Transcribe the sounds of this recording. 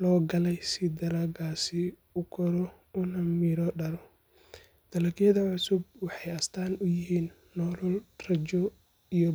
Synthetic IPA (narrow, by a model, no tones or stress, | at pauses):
lɔːɡɐlɛjsɪd̪ɐɾaɡaːsɪ | ʊkʰɔɾɔ | ʊnɐmiːɾɔɖɐɾɔ | d̪̥ɐlɐɡjɐðɐʕʊsʊb̚wɑħɑjɐst̪ʰaːnʊjɪɦiːnːɔːlʊlrɐt͡ʃɔ | ijɔ